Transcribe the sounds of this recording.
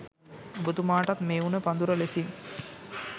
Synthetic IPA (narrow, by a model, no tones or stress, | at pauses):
bud̪umaːʈat̪meːunəpand̪uɾəlesiŋ